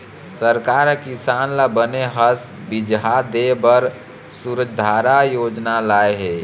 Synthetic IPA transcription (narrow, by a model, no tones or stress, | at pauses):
səɾkaːɾkisaːnlabəneɦəs | bid͡ʒɦad̪ebəɾ | suɾəd͡ʒd̪ʱaɾajoːd͡ʒnalaːeɦe